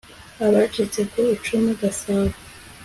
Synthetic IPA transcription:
aβat͡ʃit͡sekoit͡ʃumeɡasaːwa

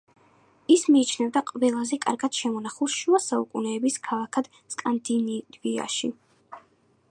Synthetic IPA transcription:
ismiːt͡ʃʰnɛvd̪aqʼvɛlˠazɛkʼa̰ɾɡad̪̥ʃɛmɔnaχulˠʃuasaukʼṵnɛːbiskʰalˠakʰad̪̥ | skʼand̪inivia̰ʃi

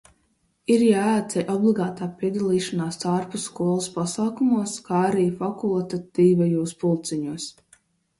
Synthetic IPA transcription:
iɾjaːat̪sɛjʔɔblˠiɡaːt̪aːpʲiɛd̪alˠiːʃanaːst̪aɾpusːkuɔlˠaspasaːkumuɔskaːaɾiːfakulˠt̪at̪iːvajuːspulˠt̪sɛɲuɔs

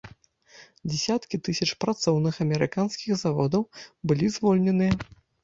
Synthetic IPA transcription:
d͡zʲɛsʲat̪kʲit̪ɨsʲɐt͡ʂpɾat̪sɔwnɨxɐmʲɛɾɨkanskʲiɣzavɔd̪ɐwbɨlʲizvɔlʲnʲɛnɨjɐ

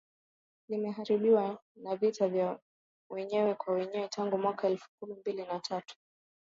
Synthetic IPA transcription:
limɛɦaɾiɓiwanavitavja | wɛɲɛwɛkwawɛɲɛwɛtʰaŋɡumwakaɛlfu̥kumimbilinatʰatu̥

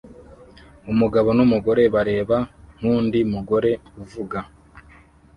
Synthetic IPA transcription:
umuɡaβo̞numuɡo̞ɾe̞βaɾe̞ːβan̥uːndiumuɡo̞ɾe̞uvuɡa

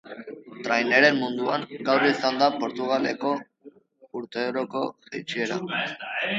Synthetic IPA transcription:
t̪ɾajne̞ɾe̞mmund̪uaŋɡawrisand̪apo̞ɾt̪uɣale̞̰ko̞ | uɾt̪e̞ɾoko̞sḛjt͡sieɾa̰

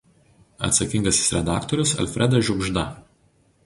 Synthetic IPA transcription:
ɐ̰t̪sɐkʲɪŋɡɐsʲɪ̥sɾʲɛd̪ɑːkt̪ɔɾʲʊsɐ̰lʲfʲɾʲʔɛd̪ɐʒʲʊɡʒd̪ɐ̰

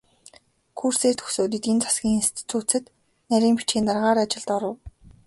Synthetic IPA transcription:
kʰuːrseːrt̪ʰɵ̥xsoːt̪̬ĭt̪int͡sḁsɡʲiːŋinst̪ʰi̥t̪ʰuːt͡sɘ̆t̪ | næɾʲiːmpit͡ɕɡʲiːnt̪arʁaːɾat͡ɕɪ̆ɮt̪ɔɾə̆w

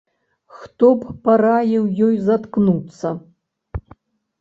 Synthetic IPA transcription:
xt̪ɔppaɾajɛwjɔjzɐt̪knut̪sɐ

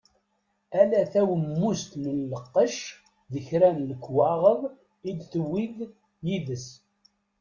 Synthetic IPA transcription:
ælæθæwəmːust̪mənləqːəʃ | ðəçɾænləkːwɑʁəðˤ | id̪θəwið | jiðəs

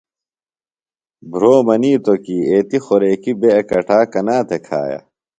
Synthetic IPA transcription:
bʱɾoːmɐniːt̪okieːt̪ixoɾeːkibeɐkɐʈʰaːkɐnaːt̪ʰekʰa̰ːja̰

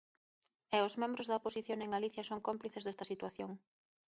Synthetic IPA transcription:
ɛʊzmẽmbɾʊzðɐoposiθjoŋeŋɡaliθjɐsoŋkompliθezðɛst̪ɐsit̪waθjoŋ

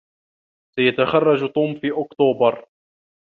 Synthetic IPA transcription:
sajat̪axɑrˤːɑd͡ʒt̪ˤuːmfiːʔʊkt̪uːbɑɾˤ

